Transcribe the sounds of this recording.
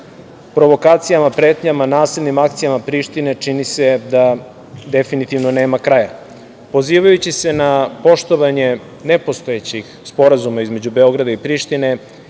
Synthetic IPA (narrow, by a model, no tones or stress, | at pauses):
pɾo̞ʋo̞kaːt̪sijamapɾe̞ːt̪ɲamanaːsilnimakt̪sijamapɾiʃt̪ine̞t͡ʃinise̞d̪a | d̪e̞finit̪iʋnone̞ːmakɾaja | po̞ziːʋajut͡ɕise̞napo̞ʃt̪o̞ʋaɲe̞ | ne̞po̞st̪o̞et͡ɕix | spo̞ɾazumaizme̞d͡ʑube̞o̞ɡɾad̪aipɾiːʃt̪ine̞